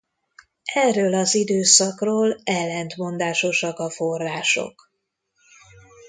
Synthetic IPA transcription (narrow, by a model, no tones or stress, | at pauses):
ɛrːøːlɒzid̪øːsɒkroːlɛlːɛnt̪mo̞nd̪aːʃo̞ʃɒkɒforːaːʃo̰k